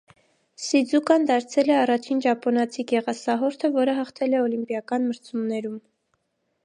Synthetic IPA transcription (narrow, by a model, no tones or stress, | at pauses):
sid͡zukɑnd̪ɑɾt͡sʰɛlɛɑrɑt͡ʃʰind͡ʒɑpɔnɑt͡sʰiɡɛʁɑsɑɦɔɾt̪ʰəvɔɾəɦɑχt̪ʰɛlɛɔlimpjɑkɑnməɾt͡sʰumnɛɾum